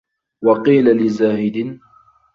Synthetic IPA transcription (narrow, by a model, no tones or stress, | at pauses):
wɑqiːlalɪzaːhɪd̪ɪn